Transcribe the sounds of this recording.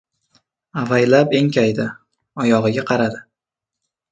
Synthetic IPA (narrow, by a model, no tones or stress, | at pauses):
avajlape̞ŋkʲʰajd̪ɪ | ɒjɒʁɨɡʲaqʰɑɾad̪ɪ